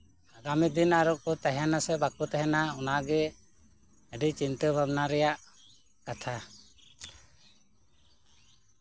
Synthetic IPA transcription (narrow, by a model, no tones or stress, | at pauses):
aɡamid̪inaɾɔk̚kɔt̪aɦɛnasɛbakut̪ɛɦɛnaɔnaɡɛ | əɖit͡ʃint̪əbʱabnaɾɛjaʔ | kat̪ʰa